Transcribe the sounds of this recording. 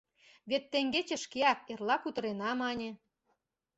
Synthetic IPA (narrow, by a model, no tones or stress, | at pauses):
βet̪ːeŋɡet͡ɕĕʃkeɑk̚erlɑkut̪ə̆ɾenɑmɑnʲĕ